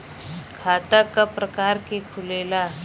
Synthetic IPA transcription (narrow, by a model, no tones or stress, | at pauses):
kʰaːt̪akapɾəkaɾkekʰʊleːla